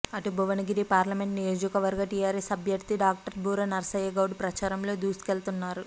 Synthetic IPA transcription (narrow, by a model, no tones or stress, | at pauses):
ɐʈubʱuʋɐnɐɡiɾipaːɾlɐme̞ɳʈnijo̞ːd͡ʒɐkɐʋɐɾɡɐʈijaːɾesɐbʱjɐɾt̪iɖaːk̚ʈɐɾbʱuːɾɐnɐɾɐsɐjɐɡɐwɽupɾɐt͡ʃaːɾɐmlo̞ːd̪uːsi̥kelt̪unːaːɾu